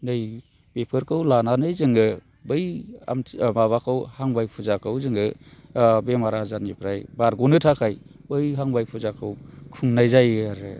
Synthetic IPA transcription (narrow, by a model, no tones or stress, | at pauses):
nɯj | bepʰɯɾkʰɯwlananɯjzɯŋɯ | bɯja̰mmaβakʰɯwhaŋbajpʰuzakʰɯwzɯŋɯ | bemaɾazanipʰɾajbaɾɡunɯtʰakʰajbɯjɦaŋbajpʰuzakʰɯwkʰuŋnajzajaɾɯ